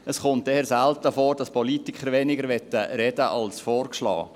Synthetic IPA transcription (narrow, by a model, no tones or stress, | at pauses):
əsχʊnt̚dɛɛɾsæltəfoːɾd̥ɑspɔlitɪkʰχəɾvɛnɪɡəɾʋɛtːəɾɛdəʔɑlsfɔːɾkʃlɑ̰ː